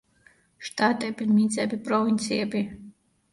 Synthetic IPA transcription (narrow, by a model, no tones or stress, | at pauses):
ʃt̪at̪ʼɛbiɾmit̪sɛbipɾɔvint̪sijɛbi